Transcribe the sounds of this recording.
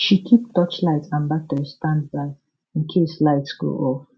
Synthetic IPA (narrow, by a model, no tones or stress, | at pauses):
ʃikʰip̚d̥ɔt͡ʃlaɪtsãnbak̚təɹistãndbaɪ | ĩnkʰeslaɪtsɡ̥o̰ʔɔf